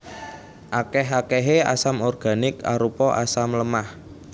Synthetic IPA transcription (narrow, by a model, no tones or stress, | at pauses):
ʔakɛɦakɛɦea̰samɔrɡ̥a̤nɪka̰ɾupɔʔa̰samləmah